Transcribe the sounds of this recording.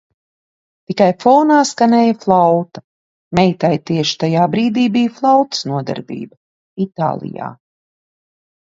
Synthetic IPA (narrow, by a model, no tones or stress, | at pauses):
t̪ikajfɔːnaːskanɛːjaflˠawt̪ɐ̥ | mɛjt̪ajt̪iɛʃi̥t̪ajaːbɾiːd̪iːbijflˠawt̪ɨ̥snuɔd̪ɛ̰ɾbḭːbɐ | it̪a̰ːlˠḭja̰ː